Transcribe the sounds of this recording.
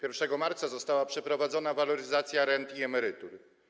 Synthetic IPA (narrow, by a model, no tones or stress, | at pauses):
pʲjɛɾfʂɛɡɔmaɾt̪sazɔst̪awapʂɛpɾɔvad̪zɔnavalɔɾɘzat̪sʲjaɾɛnt̪iɛmɛɾɘt̪uɾ